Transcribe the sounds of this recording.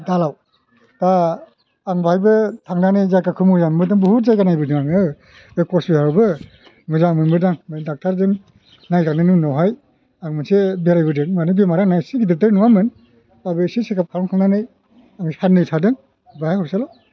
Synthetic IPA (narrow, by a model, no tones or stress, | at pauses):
dalaw | taː | ŋbʱajbɯtʰaŋnanɯjzakakʰɯmɯjanmɯdɯŋbuhut̚zajkanajbɯdɯŋaŋɯ | bekʰɔsihaɾwbɯ | mɯzamɯnmɯdaŋdak̚tʰaɾdɯŋ | najzaŋnɯnɯnɔwɦaj | aŋmɯnsebeɾajbɯdɯŋmanɯbemaɾanajsiɡidɯtɯɾnuwamɯn | abɯsisekap̚kʰaɾɔŋkʰaŋnanɯj | aŋsanːɯjtʰadɯŋ | bajakʰɔɾsala